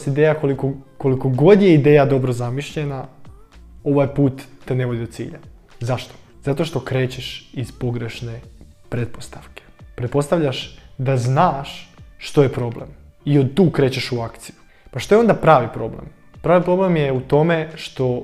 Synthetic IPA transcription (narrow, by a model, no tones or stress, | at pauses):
st̪id̪eːjakolikoko̞liko̞ɡo̞d̪je̞id̪e̞ːjad̪o̞bɾozamiʃʎe̞na | o̞ʋajpuːt̪ːene̞ʋo̞d̪id̪ot̪sḭːʎa | zaʃt̪o̥zat̪o̞ʃt̪o̞kɾe̞ːt͡ɕeʃizpo̞ɡɾe̞ʃne | pɾet̪̚post̪aʋke̥pɾet̪̚po̞st̪aʋʎʲaʃd̪aznaːʃʃt̪o̞jepɾo̞ble̞̰m | iod̪t̪uːkɾe̞ːt͡ɕe̞ʃuakt̪siju | paʃt̪o̞jeo̞nd̪apɾaːʋipɾo̞blḛm | pɾaːʋipɾo̞ble̞mjeut̪o̞me̞ʃt̪o̞